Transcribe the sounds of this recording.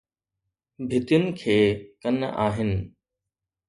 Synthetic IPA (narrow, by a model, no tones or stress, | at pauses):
bʱɪt̪jʊnɪ̆kʰeːkɐna̰ːɦɪnɪ̆